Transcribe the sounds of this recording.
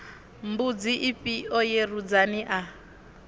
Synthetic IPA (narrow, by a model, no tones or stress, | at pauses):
m̩bud͡ziʔipʼiɔjerud͡zaniʔa